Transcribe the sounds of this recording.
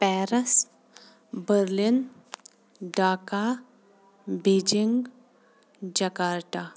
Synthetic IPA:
pɛːɾəs | bəɾlin | ɖaːka | beːd͡ʒiŋɡ | d͡ʒɐkaːɾʈa

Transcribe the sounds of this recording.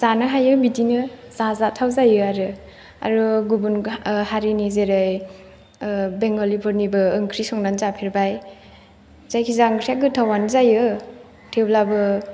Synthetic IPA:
zanɯɦajɯbidinɯzazatʰawzajɯaɾɯ | a̰ɾɔɡubunhaɾinizeɾaj | beŋɡɔlipʰɔɾnibɯɯŋkʰɾisɔŋnanzapʰeɾbaj | z̥ajkʰizaŋɾaɡɯtʰawanzajɯ | tʰewlabɯ

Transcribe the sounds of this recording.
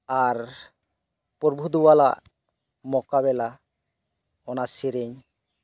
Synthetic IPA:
aɾ | pɔɾbʱud̪uwala̰ʔ | mɔkabɛla | ɔnasiɾeɲ

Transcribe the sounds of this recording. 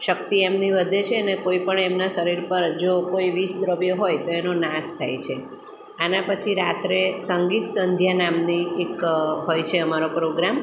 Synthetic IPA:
ʃək̚t̪iemniʋəd̪ʱet͡ʃʰeənekoipəɳemnaʃəɾiɾpəɾd͡ʒokoiʋisd̪ɾəʋjoɦojt̪oenonast̪ʰa̰jt͡ʃʰe | anapət͡ʃʰiɾat̪ɾesəŋɡit̪sənd̪ʱjanamniekɦojt͡ʃʰeəmaɾopɾoɡɾam

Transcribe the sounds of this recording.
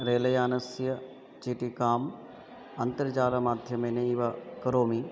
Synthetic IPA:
ɾeːlɐjaːnɐsjɐ | t͡ʃiːʈikaːm | ɐnt̪əɾt͡ʃaːɾɐmaːd̪ʱjɐmeːneiʋakɐɾoːmi

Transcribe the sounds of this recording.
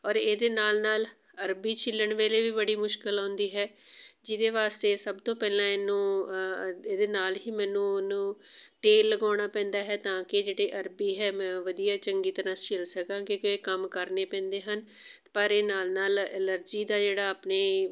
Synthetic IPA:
ɔːɾeːd̪eːnaːlnaːl | əɾbiːt͡ʃʰɪlːəɳʋeːleːʋiːbəɽiːmʊʃkɪlɦõːnd̪iːɦɛː | d͡ʒɪd̪eːʋaːst̪eːsəbt̪õːpɛːlãːɪnːũː | eːd̪eːnaːlɦiːmɛ̃ːnũːnũːʈ̪eːlːəɡaːɽ̃aːpɛ̃ːnd̪aːɦɛːt̪ãːkɪd͡ʒeːɽeːʔəɾbiːɦɛːmɛ̃ːʋəd̪ijaːt͡ʃəŋɡiːt̪əɾãːsɪlsəkãːkɪekoeːkəmkəɾneːpɛ̃ːnd̪eːɦən | pəɾeːnaːlnaːlələɾd͡ʒiːd̪aːd͡ʒeːɽaːaːpneː

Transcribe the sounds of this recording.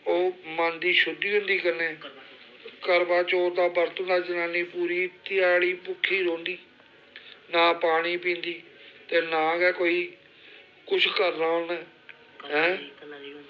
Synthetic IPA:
oːmand̪iːʃʊd̪iːɦʊ̃nd̪iːkəneː | kəɾbãːt͡ʃoːɾd̪aːbəɾt̪õnd̪aːd͡ʒənaːniːpuːɾiːt̪ɪjaːɽiːpʊkʰːiːɾõːnd̪iː | naːpaːɽ̃iːpĩːnd̪iːt̪eːnaːɡɛːkoːiː | kʊt͡ʃʰkəɾnãːɦõːnɛː | ɦɛ̃ː

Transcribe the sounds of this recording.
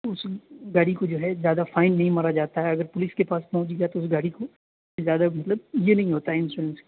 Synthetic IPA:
ʊsɡaːɽikod͡ʒoːɦɛzjaːd̪afaːɪnːɐɦĩmaːɾad͡ʒaːt̪aɦɛɐɡəɾpʊlɪskepaːspɔɦʊ̃d͡ʒiɡat̪oʊsɡaːɽiko | ezjaːd̪amɐt̪ləb̚jenɐɦĩɦoːt̪aɦɛɪ̃nsuɾə̃nskː

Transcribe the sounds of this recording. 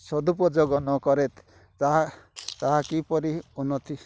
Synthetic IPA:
sɔd̪up̬ɔd͡ʒɔɡɔnɔkɔɾet̪ː | aɦat̪aɦakipɔɾiunɔt̪ʰi

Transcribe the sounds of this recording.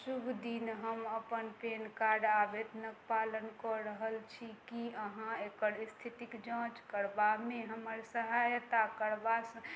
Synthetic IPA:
subʱd̪inɦəməpənpenkaɖabed̪nəkpalənkɔɾəɦəlt͡ʃʰikiəɦãekəɾist̪ʰit̪ikd͡ʒãt͡ʃkəɾbameɦəməɾsəɦajt̪akəɾbasə̃

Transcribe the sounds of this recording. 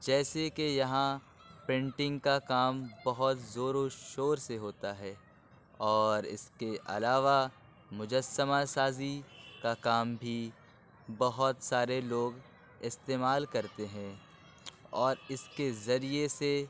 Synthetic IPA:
d͡ʒɛːsekejɐɦã | pɾɪ̃ɳʈɪ̃ŋɡkakaːmbɐɦʊt̪zoːɾoʃoːɾseɦoːt̪aɦɛː | ɔːɾɪ̰skeʔɐ̰laːʋa | mʊd͡ʒəsːəmasaːzikakaːmbʱi | bɐɦʊt̪saːɾeloːɡ | ɪst̪eːmaːlkɐɾt̪eɦɛ̃ | ɔːɾɪskezɐɾiese

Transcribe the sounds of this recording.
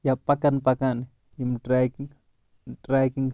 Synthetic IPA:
japakanpakanɪ | jimʈɾajkɪŋ | ʈɾajkɪŋ

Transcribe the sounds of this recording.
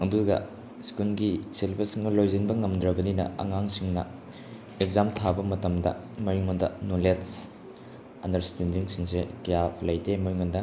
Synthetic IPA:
ɐduɡɐ̰ | skulɡiselbɐsiŋnɐlojzinbɐŋɐmdɾɐbɐninɐ̰ɐ̰ŋaŋsiŋnɐ̰ | eɡzamtʰabɐmɐtɐmdɐ̰ | mɐɾiŋondɐnolets | ɐndɐɾstendiŋsiŋsekɐjapʰlɐjdemɐjiŋondɐ

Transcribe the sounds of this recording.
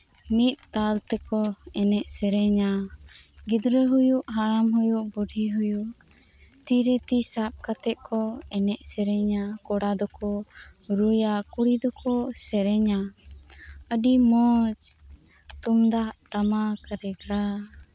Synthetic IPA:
mit̪̚t̪alt̪ɛkɔɛnɛʔsɛɾɛɲa | ɡid̪ɾəɦujuʔɦaɾamɦujuʔbuɖʱiɦujuʔ | t̪iɾɛt̪isap̚kat̪ɛʔ̪̚kɔɛnɛʔsɛɾɛɲakɔɽad̪ɔkɔɾujakuɽid̪ɔkɔsɛɾɛɲa | əɖimɔd͡ʒ | t̪umd̪aʔʈamakəɾɛɡɽa

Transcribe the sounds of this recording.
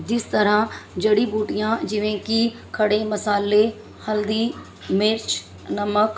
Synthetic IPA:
d͡ʒɪst̪əɾãd͡ʒɐɽibuːʈijãd͡ʒɪʋẽkikʰɐɽemɐsaːle | həld̪iː | mɪɾt͡ʃ | nəmək

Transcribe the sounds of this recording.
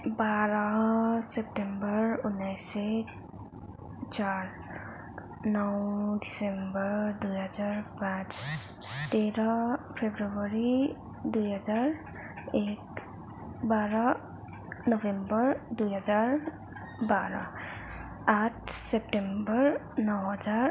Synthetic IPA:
baɾʌsep̚ʈembʌɾunːajse | t͡ʃar | nʌwdisembʌɾd̪ujɦʌd͡zarpãt͡s | t̪eɾʌpʰebrʌbʌɾi | d̪ujɦʌd͡zaɾ | ek | baɾʌ | nʌbʱembʌɾd̪ujɦʌd͡zaɾ | baɾʌ | aʈʰsep̚ʈembʌɾ | nʌwɦʌd͡zar

